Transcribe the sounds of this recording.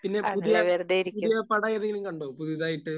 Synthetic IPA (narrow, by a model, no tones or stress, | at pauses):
pinːe̞puðijeʋeɾðeːjiɾikpuðːijɐpɐɽɐːjɐðeŋɡilimkɐɳɖoːpuðiðaːjiʈːɨ